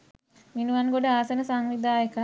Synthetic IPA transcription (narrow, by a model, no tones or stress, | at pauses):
minuʋanɡoɖəaːsənəsaŋʋid̪ʱaːjəkə